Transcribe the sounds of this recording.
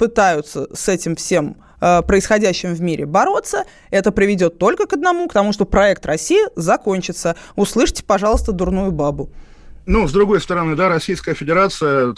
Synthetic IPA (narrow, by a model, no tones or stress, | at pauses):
pɨt̪ajʊt̪səsɛtʲɪmfsʲe̞m | əpɾəɪsxɐdʲæɕːɪmvmʲiɾʲʔɪ̰bɐɾo̞t̪sːə | ɛt̪əpɾʲɪvʲɪdʲo̞t̪ːo̞lʲkəkəd̪nɐmukt̪ɐmuʂt̪opɾɐɛk̚t̪rɐsʲijɪzɐko̞nʲt͡ɕɪt̪səʊslˠɨʂtʲɪ̥pɐʐɑlˠəst̪əd̪ʊrnujʊbabʊ | nuzd̪ɾʊɡo̞jst̪əɾɐnɨd̪aɾɐsʲijskəjəfʲɪdʲɪɾat̪sɨjə